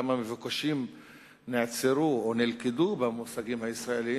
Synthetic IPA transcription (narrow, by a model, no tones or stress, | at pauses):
amamevukaʃim | neat͡seʁuonelkedubemusaɡimhaisʁaeli